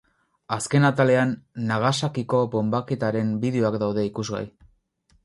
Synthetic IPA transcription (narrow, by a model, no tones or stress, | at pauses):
aske̞nat̪ale̞anːaɣ̞asakiko̞bo̞mbaket̪aɾe̞mbiðeo̞akd̪awðe̞ikuzɣa̰j